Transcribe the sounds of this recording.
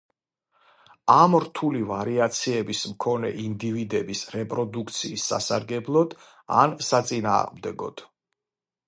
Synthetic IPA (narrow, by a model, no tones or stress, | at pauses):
amɾt̪ʰulivaɾiat̪sʰiɛbismkʰɔnɛ̰ʔind̪ivid̪ɛbisɾɛpʼɾɔd̪ukʰt̪sʰiːsːa̰saɾɡɛblˠɔd̪̥ | a̰nsat̪sʼina̰ːʁmd̪ɛɡɔ̰d̪̥